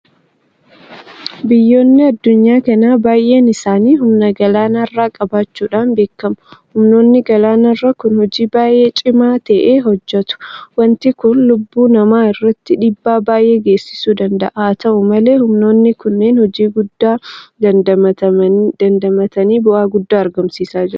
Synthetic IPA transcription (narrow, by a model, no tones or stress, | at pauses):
bɪjːo̞ːnːɪɐd̪ːʊɲːaːkɐnaːbaːjʔe̞ːnɪsaːniːɦʊmnɐɡɐlaːnarːaːkʼɐbaːt͡ʃːuːᶑaːnbe̞ːkːɐmʊhʊmno̞ːnːɪɡɐlaːnarːakʊnhɔd͡ʒiːbaːjʔe̞ːt͡ʃʼɪmaːt̪ɐʔeːɦɔd͡ʒːɐt̪ʊ̥wɐnt̪ɪkʊnlʊbːuːnɐmaːɪrːɐt̪ːɪᶑiːbːaːbaːjʔe̞ːɡe̞ːsːɪ̥suːd̪ɐnd̪ɐ̰ʔaːt̪ɐʔʊmɐle̞ːhʊmno̞ːnːɪkʊnːeːnhɔd͡ʒiːɡʊd̪ːaːd̪ɐɐ | d̪̥ɐnd̪ɐmɐt̪ɐniːbʊʔaːɡʊd̪ːaːɐɾɡɐmsiːsaːd͡ʒɪɾ